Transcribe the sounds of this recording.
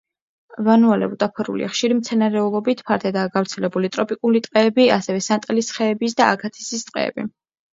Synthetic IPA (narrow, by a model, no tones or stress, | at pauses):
vanualɛ̰ut̪ʼapʰɔɾṵlḭʔaχʃiɾimt̪sʰɛnaɾɛulˠɔbit̪ʰpʰaɾd̪ʰɛd̪aːɡavɾt̪sʰɛlɛbulit̪ʼɾɔpʼikʼulit̪ʼqʼɛːbiasɛvɛsant̪ʼlisχɛːbis̬d̪aakʰat̪ʰi̥sist̪ʼqʼɛ̰ːbḭ